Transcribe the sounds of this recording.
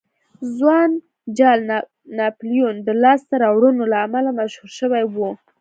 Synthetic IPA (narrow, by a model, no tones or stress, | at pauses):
zwɑn | d͡ʒɑl | nɑplijund̪əlɑst̪əɾɑwɽənolaːmalamaʃhuɾʃəwajwu